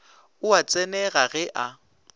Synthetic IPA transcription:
ʊat͡sʼɛnɛɣaɣɛʔa

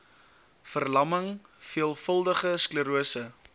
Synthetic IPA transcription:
fərlɐməŋfiəlˠfəlˠdəχəskləɾuəsə

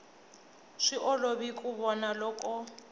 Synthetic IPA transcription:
ʂiʔɔloβikʼuβɔnalɔkʼɔ

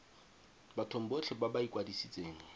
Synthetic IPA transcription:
batʰom̩bot͡ɬʰɪbabaikʼwadisit͡sʼeːŋ̩

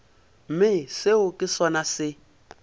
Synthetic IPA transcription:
m̩mɪsɪʊkʼɪsɔnasɪ

